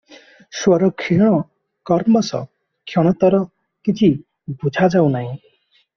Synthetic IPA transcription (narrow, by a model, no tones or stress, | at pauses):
swɔɾɔkʰiɽ̃ɔ | kɔɾmɔsʌ̰ | kʰjɔɽ̃ɔt̪ɔɾɔ | kit͡ʃʰi | bʱud͡ʒʱad͡ʒaw̃naĩ